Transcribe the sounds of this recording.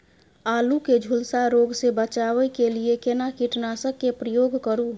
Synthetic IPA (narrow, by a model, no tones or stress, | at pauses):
aːluked͡ʒʱulsaɾoːɡsebət͡ʃaːwəkeliekenakiʈnasəkːepɾəjoːɡkəɾu